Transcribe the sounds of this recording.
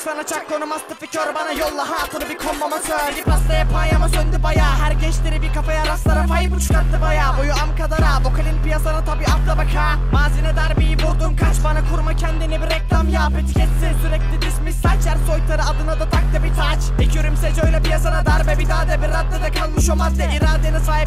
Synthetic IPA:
sanat͡ʃʰakːonumast̪ʰɯficʰøɾbanajolˠːaɦajat̪ʰɯnɯbikʰombamasølʲipast̪ˠajapʰanjamasønd̪ibajaːɦæɾcɛt͡ʃt̪ʲeɾibikafajaɾaslˠaɾapajɯput͡ʃʰu̥kat̪ːɯbajaːbojuamkad̪aɾaːbokʰalʲinpijasanat̪ʰabiːaft̪ˠabakʰaː | maːzinɛd̪aɾbijibuɾd̪unkʰat͡ʃbanakʰuɾmacʰɛnd̪inibiɾɛclʲˠamjaːpɯt̪cʰɛt̪sɛsyɾɛc̚t̪ʲid̪ismisat͡ʃʰæɾso̞jt̪ʰaɾɯad̪ɯnad̪at̪ʰak̚t̪abit̪ʰat͡ʃ | ɛcʰiøɾymsɛd͡ʒøjlʲɛpijasanad̪aɾbɛbid̪ʰaːd̪ɛbiɾat̪̚lad̪akʰalˠmɯʃomand̪eiɾaːd̪enɛsaːjip

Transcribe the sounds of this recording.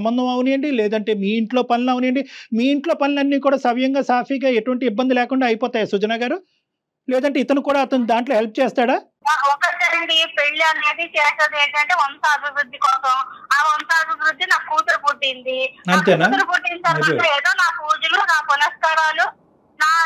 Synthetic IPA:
ɐmbɐnd̪ʱɐmɐwuneɳɖilɛːd̪ɐɳʈe̞ːmiːiɳʈlo̞ːpɐnilɐwuneːɳɖimiːiɳʈlo̞ːpɐnilɐnːiːkuːɽaːsɐʋjɐŋɡaːsaːpʰiːɡaːeʈuʋɐɳʈiibːɐnd̪ilɛːkuɳɖaːɐjpɔːt̪aːjasud͡ʒɐnaːɡaːɾu | lɛːd̪ɐɳʈe̞ːit̪ɐnukuːɽaːɐt̪ɐnud̪aːɳʈlo̞ːɦelp̚t͡ʃɛːst̪aːɽaː | naːkɔkɐɾt͡ʃɐɾɐɽipeɭːiɐnːeːd̪it͡ʃɛːʈɐd̪eːɳʈɐɳʈeːonɐsaːd̪iɾud̪ːikɔːsɐmaːonɐsaːd̪iɾud̪ːinaːkkuːt̪ɐlupuɖːind̪iɐnt̪eːnaːt̪ɐlukuɖːint͡ʃaːɾɐeːd̪oːnaːkuːd͡ʒulunaːpulɐskaːɾaːlu | naː

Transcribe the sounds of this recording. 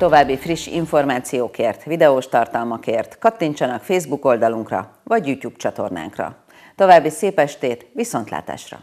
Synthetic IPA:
t̪o̞vaːbːifriʃːḭɱfo̞rmaːt̪sijoːkeːrt̪ʋid̪ɛoːʃt̪ɒrt̪ɒlmɒkeːrt̪kɒt̪ːiɲt͡ʃɒnɒkfeːzbuko̞ld̪ɒluŋkrɒ̰ | vɒɟjuːcuːpt͡ʃɒt̪o̞̰rna̰ːŋkrɒ̰ | t̪o̞vaːbːiseːpɛʃt̪eːt̪ʋiso̞nt̪la̰ːt̪a̰ːʃrɒ̰

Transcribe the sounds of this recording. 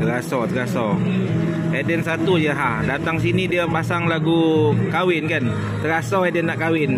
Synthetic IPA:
t̪əɾasɔt̪əɾasɔ | edɛnsat̪ujaɦadat̪aŋs̬inidiəpasaŋlaɡukawɪnkan | t̪əɾasɔedɛnːaʔkawɪn

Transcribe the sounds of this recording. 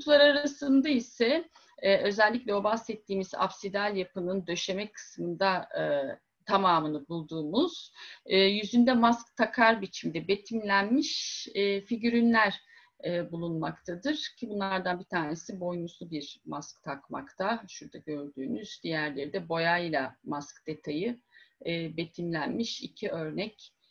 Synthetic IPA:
ut̪ʰulˠaɾaɾasɯnd̪aisɛ | ɛːʔø̞zɛlʲːiclʲɛo̞bahsɛt̪ʰːiːmiza̰psid̪alʲjapɯnɯnd̪ø̞ʃe̞mɛkʰɯ̥smɯnd̪a | t̪ʰamaːmɯnɯbulˠd̪uːmuz̥ːjyzynd̪ɛmask̚t̪ʰakʰaɾbit͡ʃʰimd̪ɛbe̞t̪ʰimlʲænmiʃɛːfiɟyɾynlʲæɾ | ɛːbulˠunmakt̪ʰad̪ɯɾ̥cʰibunlˠaɾd̪anbit̪ʰaːne̞sibo̞jnusubiɾ̥maskt̪ʰakma̰kt̪ʰaʃuɾd̪aɟø̞ɾd̪yːnyz̥d̪ijæɾlʲe̞ɾid̪ɛbo̞jajlˠamaskd̪̥e̞t̪ʰajɯː | be̞t̪ʰimlʲænmiʃḭcʰiø̞ɾnɛc

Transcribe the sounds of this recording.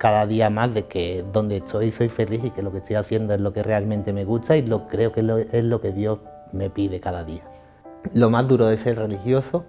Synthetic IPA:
kaðaðiamazðe̞keðo̞nd̪et̪ʰo̞jso̞jfe̞liθike̞lo̞ke̞t̪ojaθje̞nd̪oezlo̞ke̞re̞almẽnt̪e̞me̞ɣut̪ailo̞kɾe̞okee̞zlo̞ke̞ðjo̞z | me̞piðe̞kaðaðia | lo̞mazðuɾoðese̞lre̞lixjo̞so

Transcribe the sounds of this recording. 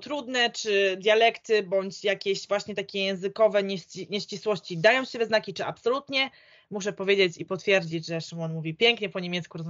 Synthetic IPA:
t̪ɾud̪nɛt͡ʂɘd̪ʲjalɛkt̪ɘbɔɲt͡ɕjakʲeɕvwaɕɲɛt̪akʲɛjɛ̃w̃zɘkɔvɛɲɛɕiɲɛɕt͡ɕiswɔɕt͡ɕid̪ajɔ̃w̃ɕɛbʲɛznakʲit͡ʂɘapsɔlut̪ɲɛ | muʂ̬ɛpɔvʲjed͡ʑet͡ɕipɔt̪fʲjɛɾd͡ʑid͡ʑʐɛʂɨmɔnmuvʲipʲjɛŋkɲɛpɔɲemʲɛt̪skuɾɔzm

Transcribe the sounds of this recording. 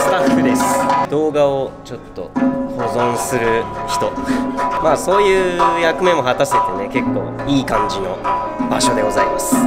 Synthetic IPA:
st̪aɯ̟d̪e̞sɨ̥d̪̥o̞ːɡaot͡ɕo̞t̪ːo̞̰ho̞zõ̞ñsɨɾɯ̟çi̥t̪o̞maːso̞ːjɯːjakɯ̟mẽ̞mo̞ɦat̪ase̞t̪e̞ne̞ke̞kːo̞̰ː | iːkãɲd͡ʑino̞̰ | baɕo̞d̪eɡo̞zaimasɨ̥

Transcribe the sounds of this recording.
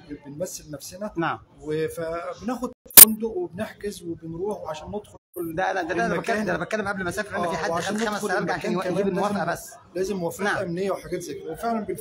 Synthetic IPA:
benmæsːelnæfsenænaʕmwefæbenæːxod̪̚fond̪oʔwebeneħkezwebenɾuːħweʕaʃæːnːed̪xolkolːd̪æʔænæd̪æænæbæt̪kæænæbet̪̚kælːemʔæblmæsæːfeɾʔennːiːħadʕʃxænæmæsæːmɡaʕʃæːnwæʔæɡibemowæfeʔæbæsːlæːzemːwæfnaʕʔæmnejːæweħaɡæːt̪zæːkedæwefeʕlænben

